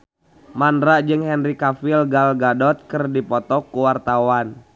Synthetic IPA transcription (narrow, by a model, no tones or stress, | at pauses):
mandɾad͡ʒɨŋhɛnrikafilɡalɡadɔt̪̚kərdipɔt̪ɔkːuwart̪awan